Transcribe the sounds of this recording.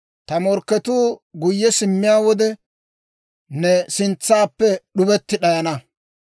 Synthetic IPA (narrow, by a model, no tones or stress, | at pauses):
t̪ɐmɔɾkːɛt̪uːɡʊjːɛsɪmːɪjaːwɔd̪ɛ | nɛsɪnt͡sːaːpːɛɗʊbɛt̪ːɪɗɐjɐnɐ